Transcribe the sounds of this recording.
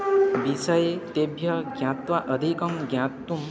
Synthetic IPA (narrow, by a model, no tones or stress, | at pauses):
bisəjet̪ebʱjʌɡjãt̪waʔəd̪ʱikɔmɡjãt̪ːum